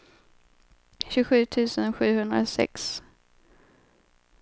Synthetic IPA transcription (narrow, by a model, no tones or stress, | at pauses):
ɕʉɧʉ̟ːt̪ʰʉ̟ːsənɧʉ̟ːhɵnd̪ɾa̰sɛ̰ks